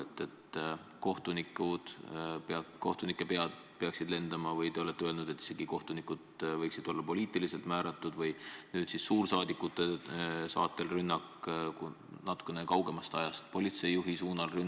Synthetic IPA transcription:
et̪ːˑe̞t̪ː | ko̞ht̪unikˑud̪̥peɑko̞ht̪unikˑːe̞pe̞ɑd̪̥̚ | peɑksid̪̥le̞nd̪ɑmɑvɤjt̪e̞o̞le̞t̪ːeølnud̪̥e̞t̪ːˑise̞ɡ̥iko̞ht̪unikˑud̪̥vɤjksid̪̥o̞lːɑpo̞lʲiːt̪ilise̞lt̪mæːɾɑt̪ːˑud̪vɤjnyːd̪̥sisːuːrsɑːd̪ikːˑut̪ːˑe̞sɑ̰ːt̪ːˑe̞lrynːɑkku | nɑt̪ːˑu̥kːˑe̞ne̞kɑwɡe̞mɑst̪ɑjɑst̪po̞lit̪se̞jːuɦisuːnɑlrynː

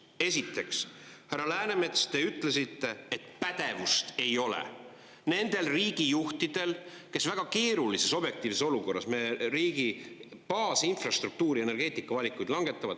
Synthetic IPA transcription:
e̞sit̪ːˑe̞kshærːɑlæːneme̞t̪st̪e̞yt̪ːˑle̞sit̪ːe̞et̪pæd̪̥e̞vust̪e̞jo̞lḛ | ne̞nd̪̥e̞lriːɡ̥ijuht̪id̪̥e̞l | ke̞svæɡ̥ɑke̞ːɾulise̞so̞bje̞k̚t̪iːvseso̞luko̞rːɑ̰smeɾiːɡipɑːsinfrɑst̪ruk̚t̪uːɾie̞ne̞rɡ̥e̞ːt̪ˑikːˑɑvɑlʲikːˑujd̪lɑŋɡ̥e̞t̪ːˑɑvɑ̰d̪̥

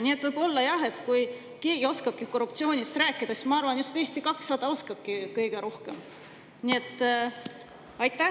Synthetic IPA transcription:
nʲie̞t̪vɯjb̥o̞lːɑjɑɦe̞t̪kuj | ke̞ːɡ̥io̞skɑb̥kiko̞rːup̚t̪sio̞ːnʲist̪ɾæːkːˑid̪̥ɑsmɑɑrvɑnjust̪e̞ːst̪ikɑksːɑd̪̥ɑo̞skɑb̥̚kikɤjɡ̥e̞ɾo̞hke̞̰m | nie̞t̪ːˑ | ɑjt̪ːˑæ

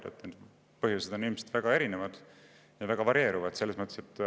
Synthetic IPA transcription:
d̪ḛt̪ːˑen | pɤɦjuse̞d̪̥o̞nilmesed̪væɡ̥ɑe̞ɾinevɑd̪̥ | jɑvæɡ̥ɑvɑɾie̞ːɾuvɑd̪̥se̞lːesmɤt̪ˑːeset̪ːˑ

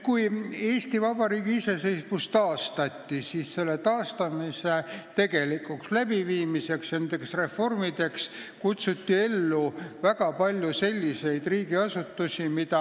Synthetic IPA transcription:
kuje̞ːst̪ivɑb̥ɑɾiːɡiise̞se̞jsmust̪ɑːst̪ɑt̪ʲːisiːsselːe̞t̪ɑːst̪ɑmise̞t̪e̞ɡe̞likukslæb̥iviːmise̞ksjend̪e̞ksre̞fo̞rmid̪e̞kskut̪sut̪ʲːie̞lːuvæɡɑpɑlʲjuse̞lʲːise̞jd̪̥riːɡ̥iɑsut̪ːusʲimid̪̥ɑ

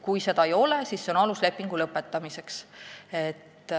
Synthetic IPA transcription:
kujse̞d̪ɑejo̞le̞sisːe̞o̞nɑlusle̞pˑːiŋɡ̥ulɤpːˑe̞t̪ːˑɑmise̞kset̪ː

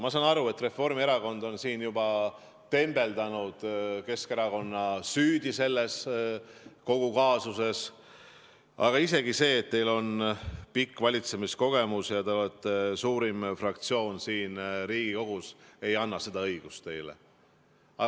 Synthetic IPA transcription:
mɑsɑnɑɾue̞t̪ːre̞fo̞rmie̞ɾɑko̞nd̪̥o̞nsiːnjubɑ | t̪e̞mb̥e̞ld̪ɑnud̪̥ke̞ske̞ɾɑko̞nːɑsyːd̪̥ise̞lːes | ko̞ɡ̥ukɑːsuse̞s | ɑ̰ɡ̥ɑise̞ɡise̞ːt̪ːe̞jlo̞npikːvɑlʲit̪se̞misko̞ɡ̥e̞musjɑt̪elet̪ːˑesuːɾimfrɑkt̪sio̞ːnsiːnriːɡ̥iko̞ɡ̥use̞jɑnːɑse̞d̪ɑɤ̞jɡ̥ust̪t̪e̞jlḛ | ɑ

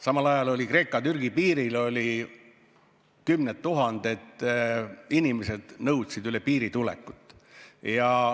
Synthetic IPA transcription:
sɑmɑlɑjɑlo̞lʲikɾe̞ːkːˑɑt̪yrɡipiːɾilo̞lʲi | kymnet̪ːuɦɑnd̪̥e̞t̪ːˑ | inimese̞d̪̥nɤwt̪sid̪ylepiːɾit̪ulḛkːˑut̪ːˑjɑ

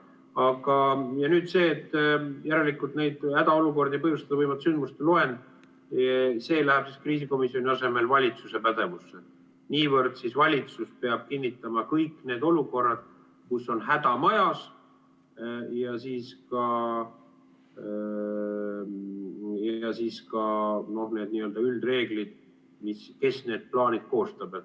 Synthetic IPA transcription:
ɑɡ̥ɑjɑnyːd̪̥se̞ːt̪ːjæɾelikult̪ne̞jd̪̥hæd̪ɑo̞luko̞rd̪ejpɤhjust̪ɑd̪ɑvɤjmɑt̪synd̪̥must̪eloe̞nd̪ | se̞ːlæhæb̥siskriːs̬iko̞misijo̞nʲiɑse̞me̞lvɑlʲit̪suse̞pæd̪̥e̞vusːe | niːvɤrd̪̥sisvɑlʲit̪suspe̞ɑb̥̚kinʲːit̪ːˑɑmɑkɤjkːˑne̞ːd̪̥o̞luko̞rːɑd̪̥̚ | kusːo̞nɦæd̪̥ɑmɑjɑs | jɑsiːskɑ | jɑsiːskɑno̞hne̞ːd̪niːø̞ld̪̥ɑyld̪re̞ːɡ̥lid̪̥ | miske̞sne̞ːd̪̥̚plɑːnʲid̪̥̚ko̞ːst̪ɑbet̪

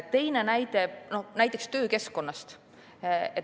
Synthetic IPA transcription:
t̪e̞jnenæjd̪eno̞næjt̪ːˑekst̪øːke̞skːˑo̞nːɑst̪ | et̪

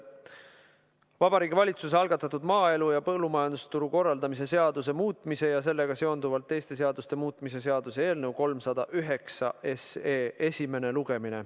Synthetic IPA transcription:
vɑbɑɾiːɡivɑlʲit̪sus̬eɑlɡ̥ɑt̪ːˑɑt̪ud̪mɑːe̞lujɑpɤlːumɑjɑnd̪ust̪uɾuko̞rːɑld̪̥ɑmis̬e̞se̞ɑd̪us̬e̞muːt̪ˑmise̞jɑse̞lːe̞ɡ̥ɑse̞ond̪uvɑlt̪ːe̞jst̪e̞s̬e̞ɑd̪̥ust̪e̞muːt̪ːˑmis̬e̞s̬e̞ɑd̪use̞e̞ːlnɤwko̞lmsɑd̪̥ɑʔyɦe̞ksɑʔe̞se̞ːe̞sʲime̞ne̞luɡ̥e̞mine̞̰

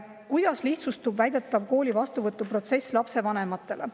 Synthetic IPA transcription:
kujd̪̥ɑsliht̪sust̪ubvæjd̪̥e̞t̪ːˑɑvko̞ːlʲivɑst̪uvɤt̪ːˑupro̞t̪se̞slɑpse̞vɑne̞mɑt̪ːˑe̞le

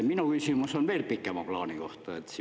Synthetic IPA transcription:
minukysimusonʋelpikːˑemɑplɑːnikoht̪ɑet̪s

